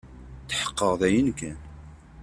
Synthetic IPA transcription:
θħə̥qːəʁðæjənkæn

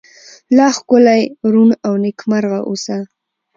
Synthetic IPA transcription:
lɑxkʊlajɾunawnɪkmaɾɣaʔusa

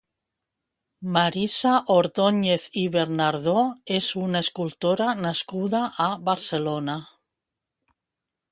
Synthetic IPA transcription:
maɾisaʔoɾðoɲeθiβeɾnaɾðoesunaeskult̪oɾanaskuðaʔaβaɾselona

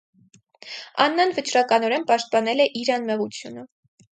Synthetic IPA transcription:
ɑ̰nːɑnvət͡ʃɾɑkɑnɔɾɛnpɑʃt̪̚pɑnɛlɛʔiɾɑnmɛʁut͡sʰjunə

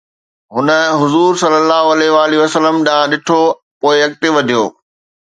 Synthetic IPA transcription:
ɦʊnə̆ɦʊzuːɾsɐlːəlːaːɦoɐleʋaːliɐsələmɗãɗɪʈʰo | poːɪɐk̚t̪ɪʋɐd̪ʱijoː

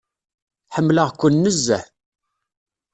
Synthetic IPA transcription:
ħəmːləʁkʷːʊnːəzːæ̰

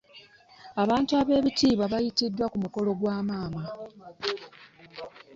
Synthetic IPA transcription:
aβaːntuaβe̞ːβitiːβaβajitidːwakumuko̞lo̞ɡwaːmaːma

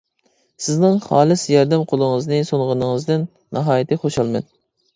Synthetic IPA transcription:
sɪznɨŋχɑːlˠɨsjɑɾd̪ɛmqʰolˠɨŋəznɨsoŋʁənɨŋɨzd̪ɪnːɑɦɑːjit̪ʰɨχoʃɑlˠmɛ̰n

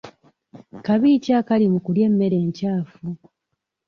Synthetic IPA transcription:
kaβiːcakalimukulje̞mːe̞ɾe̞ːɲcaːfu

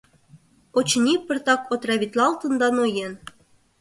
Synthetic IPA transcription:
ot͡ɕnʲipə̆rt̪ɑkot̪rɑβʲit̪lɑlt̪ɤ̆nd̪ɑnojen

